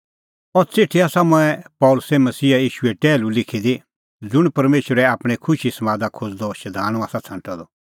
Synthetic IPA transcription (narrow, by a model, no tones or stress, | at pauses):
ɔt͡sɪʈʰːiaːsamʊ̃ɛpɔːlʊsɛmɐsiːajiːʃʊɛʈɛːlũlɪkʰid̪i | d͡zʊɽ̃pɐɾmeːʃwəɾɛaːpɽ̃ekʰʊʃisɐmaːd̪akʰʊd͡zd̪ɔʃɐd̪ʱaːɽ̃ɔ̃aːsat͡sʰãːɳʈad̪ɔ